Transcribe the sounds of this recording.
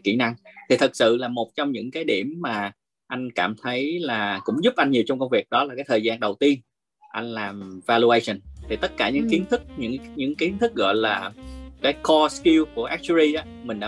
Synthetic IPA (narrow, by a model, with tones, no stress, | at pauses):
kḭ˧˩na˧ŋt̪ʰi˨˩t̪ʰɨ˨˩k̚sɨ̰˧˨laː˨˩mo˨˩t̚t͡ɕɔ˧wŋ͡mɲɨ̰˧˥ŋkaː˨˦jɗi˧˩əmːaː˨˩ | ʔa˧jŋ̟kaː˧˩mt̪ʰə˨˦jlaː˨˩kʊ̰˧˥ŋ͡mzʊ˦˥p̚ʔa˧jŋ̟ɲi˨˩əwt͡ɕɔ˧wŋ͡mkə˧wŋ͡mvi˨˩ək̚ɗɔ˨˦laː˨˩kaː˨˦jt̪ʰəː˨˩zaː˧nɗə˨˩wt̪i˧ən | ʔa˧jŋ̟laː˨˩mvaː˧lu˧ʔə˧sə˨˩nt̪ʰi˨˩t̪ə˦˥t̚kaː˧˩ɲɨ̰˧˥ŋki˨˦ənt̪ʰɨ˦˥k̚ɲɨ̰˧˥ŋɲɨ̰˧˥ŋki˨˦ənt̪ʰɨ˦˥k̚ɣɔ̰˧˨jlaː˨˩kaː˨˦jkɔ˧ski˧wku˧˩əʔɛ˦˥k̚t͡ɕi˧ʔaː˨˦˥mï˨˩ŋ̟ɗa̰ː˧